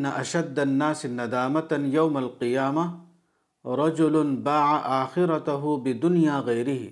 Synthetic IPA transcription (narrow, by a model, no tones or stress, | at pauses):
nːaʔɐʃɐd̪ːɐnːaːsɪnːɐd̪aːmɐt̪jɐwmɐlqɪjaːmɐ | ɾˤɑd͡ʒʊlʊnbaːʕaʔaːxɪɾɐt̪ɐɦʊbɪd̪ʊnijaːɣɐjɾɪɦḭ